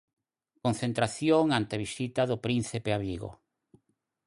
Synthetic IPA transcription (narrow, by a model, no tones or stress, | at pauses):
konθent̪ɾaθjoŋant̪eβisit̪aðʊpɾin̟θepeaβiɣo̰